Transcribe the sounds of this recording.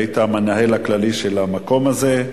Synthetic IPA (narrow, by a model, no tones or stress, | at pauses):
it̪amenaɦe̞laklaliʃelamako̞maze